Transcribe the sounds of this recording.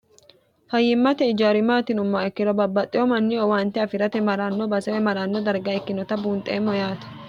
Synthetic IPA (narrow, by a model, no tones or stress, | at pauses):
fɐjːɪmːɐt̪ɛɪd͡ʒaːɾɪmaːt̪ɪnʊmːɐɛkːɪɾɔbɐbːɐt̪ʼːɪɔmɐnːɪɔwaːnt̪ɛɐfɪɾɐt̪ɛmɐɾaːnːɔbɐsɛwɛmɐɾaːnːɔd̪ɐɾɡɐɛkːɪnɔt̪ɐbuːnt̪ʼḛːmːɔjaːt̪ɐ̥